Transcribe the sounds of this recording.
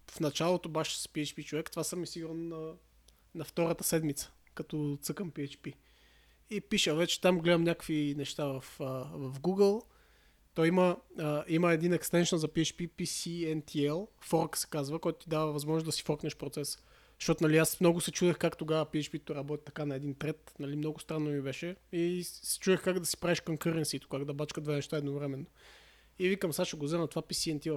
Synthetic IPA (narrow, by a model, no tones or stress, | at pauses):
fnɐt͡ʃalˠot̪obaʃɛ̥sɐ̥piɛt͡ʃpit͡ʃovɛkt̪vasəmisiɡuɾnnɐ | nɐft̪ɔɾət̪ə̥sɛd̪mit̪sə̥ | kɐt̪ɔt̪sɤkəmpiɛt͡ʃpi | ipiʃəvɛt͡ʃɛ̥t̪amɡlɛd̪əmɲʲakəkvinɛʃt̪avɐfəvɐfɡuɡəlˠ | t̪ɔjiməəiməɛd̪inɛkst̪ɛnʃənzɐpiɛt͡ʃpipisiɛnt̪ʰiɛlˠfɔɾksɛ̥kazvəkɔjt̪ʊt̪id̪avəvɐzmɔzʒnsd̪ɐsi̥fɔɾknɛʃpɾot̪sɛs | ʃtɔt̪ʊnɐliasmnɔɡʊsɛt͡ʃud̪ɛxkakt̪oɡavəpiɛt͡ʃpit̪oɾɐbɔt̪i̥t̪ɐ̥kanɐɛd̪int̪ɾɛt̪nɐlimnɔɡʊst̪ɾanːomibɛʃɛisɛ̥t͡ʃuðɛxkaɡd̪ɐsi̥pɾaviʃkoŋkɤɾɛnsit̪o̥kaɡd̪ɐbat͡ʃkəd̪vɛnɛʃt̪aɛd̪novɾɛmɛnːo | ivikɐmsaʃəɡozɛnɐt̪ovapisiɛnt̪iɛlˠ